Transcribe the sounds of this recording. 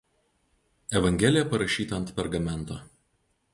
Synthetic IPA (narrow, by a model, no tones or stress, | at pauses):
ɛʋɐŋʲɡʲɛlʲɪjɛpɐɾɐʃʲiːt̪ɐnt̪pʲɛɾɡɐmʲɛnt̪o